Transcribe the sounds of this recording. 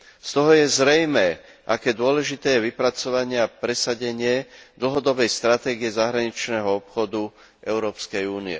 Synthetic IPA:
st̪ɔɦɔjɛzɾɛjmɛː | ʔakɛːd̪ʊɔlɛʒit̪ɛːjɛʋipɾat͡sɔʋaɲɪaapɾɛsaɟɛɲɪɛd̪l̩ɦɔd̪ɔbɛjst̪ɾat̪ɛːɡijɛzaɦɾaɲit͡ʃnɛːɦɔɔpxɔd̪u | ʔɛʊɾɔːpskɛjuːniɛ̰

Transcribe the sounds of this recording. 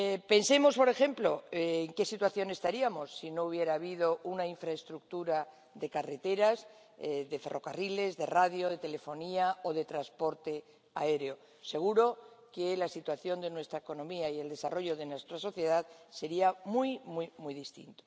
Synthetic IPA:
pe̞nse̞mo̞spo̞ɾe̞xe̞mplo̞ːŋke̞sit̪waθjo̞ne̞st̪aɾiamo̞sːino̞uβ̞je̞ɾaːβið̞o̞ʔunaiɱfɾaest̪ɾuk̚t̪uɾa | ðe̞kare̞t̪e̞ɾaz | ðe̞fe̞rʔo̞̰karile̞zðe̞raðjo̞ðe̞t̪e̞le̞fo̞niaoðe̞t̪ɾaspo̞ɾt̪e̞ | ae̞ɾeo̞ | se̞ɣ̞uɾo̞kelasit̪waθjo̞nd̪e̞nwe̞st̪ɾaeko̞nõ̞miaie̞ld̪e̞sa̰ro̞ʝo̞ðe̞nwest̪ɾaso̞θje̞ðaðse̞ɾiamujmwujmujðist̪ḭnt̪o

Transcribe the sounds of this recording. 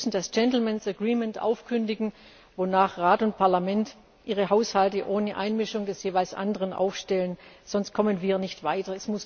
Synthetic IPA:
sn̩dasd͡ʒ̥ɛntl̩mɛnsɛɐɡʁiːmɛntʔa̰ʊfkʰʏndɪɡŋ̩ | vonaːχʁaːtʊnt̚pʰaɐlamɛnt | ʔiːʁ̞əɦaʊshaltəʔoːnəʔa̰ɪnmɪʃʊŋdɛsjeːvaɪlsʔa̰ndəʁənʔa̰ʊfʃtɛlənz̥ɔnst̚kʰɔmənviːɐnɪçtv̥aɪtɐɛsmʊs

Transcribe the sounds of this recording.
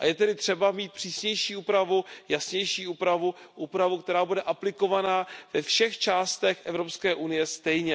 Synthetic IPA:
ʔa̰jɛt̪ɛdɪt̪r̝̥ɛbamiːt̪̚pr̥iːsɲɛjʃiːuːpɾavujasɲɛjʃiːʔuːpɾavuʔuːpɾavukt̪ɛɾaːbudɛʔaplɪko̞vanaːv̥ɛfʃɛxt͡ʃaːst̪ɛxʔɛvɾo̞pskɛːʔunɪjɛst̪ɛjɲɛ

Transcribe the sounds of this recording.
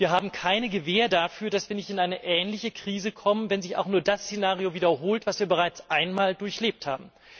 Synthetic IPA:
viːɐɦaːbm̩kʰaɪnəɡəveːɐdafyːɐdasv̥iːɐnɪçtɪnʔaɪnəʔɛːnlɪçəkʁ̥iːzəkʰɔmənvɛnzɪça̰ʊxnuːɐdast͡senaːʁijoviːdɐɦoːltv̥asv̥iːɐbəʁ̞aɪt͡sʔaɪnmaːldʊɐçleːp̚tha̰ːbm̩

